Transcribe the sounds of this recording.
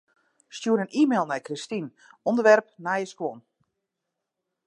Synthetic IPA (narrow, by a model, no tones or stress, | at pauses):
stjuəɾənʔiːmeːlˠnɛjkristin | ɔndərʋɛrpnajəskwɔn